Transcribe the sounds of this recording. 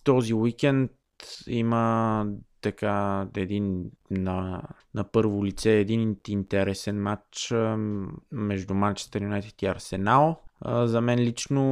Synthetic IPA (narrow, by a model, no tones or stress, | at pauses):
t̪ɔziwikɛnt̪ | imə | t̪ɐkaɛd̪inːɐ | nɐpɤɾvʊlit̪sɛːd̪inint̪ɛɾɛsɛnmat͡ʃt͡ʃ | mɛʒd̪umant͡ʃɛ̥st̪ɐɾiunɛt̪i̥t̪iɐɾsɛnalˠəzɐmɛnlit͡ʃno